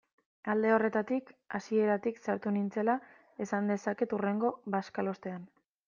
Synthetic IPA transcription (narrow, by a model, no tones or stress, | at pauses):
ald̪e̞o̞re̞t̪at̪ikasie̞ɾat̪iksaɾt̪unint͡se̞la | e̞sand̪e̞sake̞t̪ure̞ŋɡo̞βaskalo̞st̪e̞an